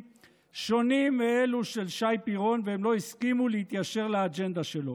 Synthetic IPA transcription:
ʃo̞nimeeluʃe̞lʃajpiʁo̞nveemlo̞iskimulehit̪jaʃe̞ʁlead͡ʒe̞nd̪aʃelo̞

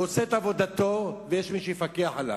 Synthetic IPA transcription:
oseet̪avo̞d̪at̪o̞vejeʃmiʃejfakeaħala

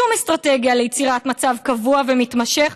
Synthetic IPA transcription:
umest̪ʁateɡjalejet͡siʁatmat͡savkavuavemitmaʃeχ

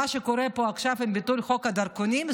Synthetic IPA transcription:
aʃekoɾepoakʃavimbit̪ulχo̞khad̪ɐɾkonim

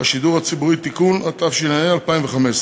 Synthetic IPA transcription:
aʃiduʁhat͡sibuʁit̪ikunat̪afʃinaialpaimveχames

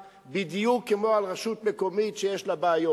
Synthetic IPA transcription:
bid̪jukːemo̞alʁeʃut̪meko̞mitʃejeʃlabaːjo

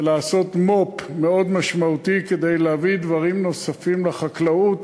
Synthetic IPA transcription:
laːso̞t̪mo̞pme̞o̞d̪maʃmaut̪iked̪e̞jleavid̪vaʁimno̞safimleχaklaut̪

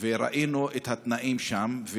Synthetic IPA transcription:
veɾa̰ʔinuet̪hat̪naʔimʃamve

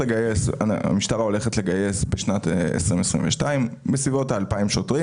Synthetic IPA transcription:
leɡajesa̰a̰miʃtaʁao̞le̞χetle̞ɡaje̞sbeʃnatḛsʁimesʁḭ̃mveʃtaimbesvivo̞taːlpaimʃotʁi

